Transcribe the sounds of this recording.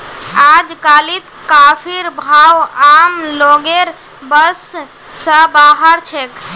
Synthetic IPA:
ad͡ʒkalit̪kapʰiɾbʱawamloɡeɾ | bəsː | əbaɦəɾt͡ʃʰek

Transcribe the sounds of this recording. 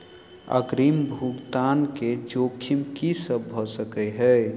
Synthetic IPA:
ə̰ɡɾimbʱuɡt̪anked͡ʒokʰːimkisəbːʱɔsəkɛɦəj

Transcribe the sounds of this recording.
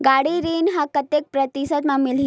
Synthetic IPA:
ɡaɽiɾinɦãkət̪jek̚pɾət̪isət̪mamilɦi

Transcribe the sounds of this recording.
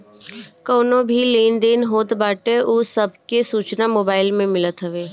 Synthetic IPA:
koːnobʱileːnd̪eːnɦoːt̪baːʈeʔusəbkesuːt͡ʃnamoːbaːɪlmẽmɪlət̪ɦɐʋeː

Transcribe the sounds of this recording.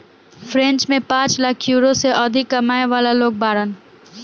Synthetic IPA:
fʰɾẽnt͡ʃmẽpãːt͡ʃlakʰjuːɾoseʔɔd̪ʱɪkːɐmaːeʋaːlaloːk̚baːɾən

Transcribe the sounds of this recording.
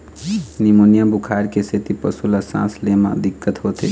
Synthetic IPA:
nimonijabʱukʰaɾkeset̪ipəsulasã̰slema̰d̪ikːət̪ɦot̪ḛ

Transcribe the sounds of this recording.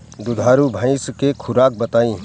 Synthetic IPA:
d̪ʊd̪ʱaːɾubʱãɪ̃skekʰʊɾaːk̚bɐt̪aːĩː

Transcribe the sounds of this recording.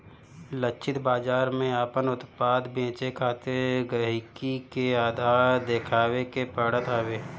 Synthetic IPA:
lət͡ʃʰɪt̪baːd͡ʒaːɾmẽaːpənʊt̪paːd̪bẽːt͡ʃekʰaːt̪eɾɡəɦɪkikeaːd̪ʱaːɾd̪eːkʰaːwekepəɽət̪aːweː

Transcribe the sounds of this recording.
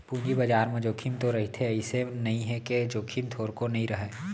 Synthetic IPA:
pũːɲd͡ʒibɐd͡ʒaːɾmẽd͡ʒoːkʰimt̪oɾɐɦit̪ʰeɪsenɐɦĩɦɛked͡ʒoːkʰimt̪ʰoːɾkonɐɦĩɾɐɦeː

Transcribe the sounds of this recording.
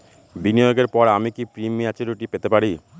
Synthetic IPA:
binijoɡeɾpɔɾamikipɾimːiat͡ɕeɾuʈipet̪epaɾi

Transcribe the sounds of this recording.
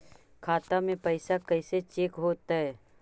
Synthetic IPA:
kʰaːt̪amẽpəɪsakəɪset͡ʃeːkɦoːt̪aɦɛː

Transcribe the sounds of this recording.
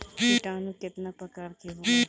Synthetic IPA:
iʈãːnũːkɪt̪naːpəkəɾkeɦo

